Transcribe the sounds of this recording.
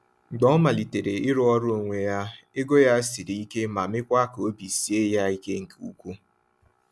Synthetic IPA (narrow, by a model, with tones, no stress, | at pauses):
ɡ͡bɔ˦ma˨li˨te˨ɾe˨ɪ˦ɾʊ˦ɔ˦ɾʊ˦o˨ŋʷe˨ja˦ | e˦ɡo˦ja˦si˨ɾi˨i˦ke˦ma˨mɪ˦kʷa˦ko˦bi˨si˨e˦ja˦i˦ke˦ŋ̩˨ku˦kʷu˦